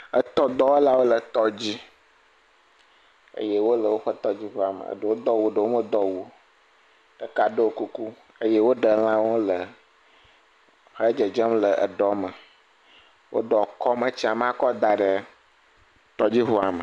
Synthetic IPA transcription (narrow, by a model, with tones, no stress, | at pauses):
ə˦t̪ɔ˦d̪ɔ˦e˦la˦wo˦lə˨t̪ɔ˦d͡ʑi˦ | ə̰˦je˦wo˦lə˨wo˦ɸə˦t̪ɔ˦d͡ʑi˦ɦo˦a˨mə̰̃˨ə̰˨ɖə˨wo˦d̪ɔ˦wu˨ɖə˨wo˦mə˦d̪ɔ˦wu˨ | ɖ̥ə˨ka˨ɖə˦wo˦ku˦ku˦ | ə˦je˦wo˦ɖə˨l̃ã˦wo˦lə˨ | xə˦d͡ʒə˨d͡ʒə˦mlə˨ʔə̰˨ɖɔ˦mə˨ | wʔo̰˦ɖɔ˨kɔ˦mə˨t͡ɕi˦a˨m˦a˦kɔ˦d̪a˨ɖə˨ | t̪ɔ˦d͡ʑi˦ɦo˦a˨mə˨